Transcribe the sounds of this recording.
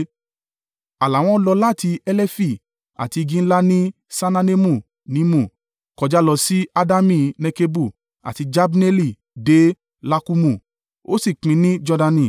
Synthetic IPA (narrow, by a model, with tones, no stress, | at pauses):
a˨la˨w̃ɔ̃˦lɔ˧la˦˨ti˧ɛ˦lɛ˦fi˦˨ | a̰˨ti˧ɡĩ˦n̩˦la˦nĩ˦ | sa˧nã˧ne˦mũ˦˨ | nĩ˨˦mũ˦˨ | kɔ˨d͡ʒa˨˦lɔ˧si˦a˧da˦mĩ˧˨nɛ˧ke˧bu˦˨ | a̰˨ti˧d͡ʒa˦bne˦li˦˨ | de˨˦ | la˦ku˧mũ˦˨ | o̰˦si˦˨k͡pĩ˧˦nĩ˦d͡ʒɔ˧da˧nĩ˨